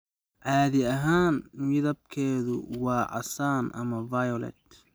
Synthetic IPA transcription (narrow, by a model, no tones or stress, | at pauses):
ʕɑːðɪɐɦaːnmɪðɐb̚kʰɛːðʊwɑːʕɑ̰saːnʔɐ̰mɐvɐjɔlɛ̰t̪